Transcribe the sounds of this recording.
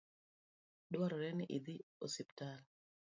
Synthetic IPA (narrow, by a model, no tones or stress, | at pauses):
dwaɾɔɾɛnɪʔid̪iosɪptal